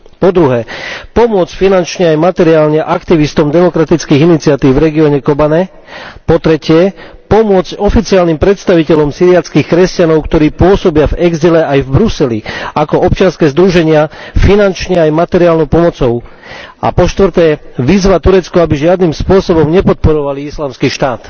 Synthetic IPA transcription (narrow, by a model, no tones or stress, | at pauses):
pɔd̪ɾuɦɛːpɔmʊɔt͡scfinant͡ʃɲɛajmat̪ɛɾiaːlɲɛʔakt̪iʋist̪ɔmd̪ɛmɔkɾat̪it͡skiːɣinit͡siat̪iːwvɾɛɡiɔːɲɛkɔbanɛ | pɔt̪ɾɛcɪɛpɔmʊɔt͡scɔfit͡siaːlnimpɾɛt̪st̪aʋicɛʎɔmsiɾiat͡skiːxkɾɛscanɔʊkt̪ɔɾiːpʊɔsɔbɪavɛɡzilɛajvbɾusɛlḭakɔɔp̚t͡ʃɪanskɛːzd̪ɾuʒɛɲɪafinant͡ʃɲɛajmat̪ɛɾiaːlnɔʊpɔmɔt͡sɔʊ | a̰pɔʃt̪ʋɾt̪ɛːʋizʋat̪uɾɛt͡skɔabiʒɪad̪niːmspʊɔsɔbɔmɲɛpɔt̪̚pɔɾɔʋaliislaːmskiːʃt̪aːt̪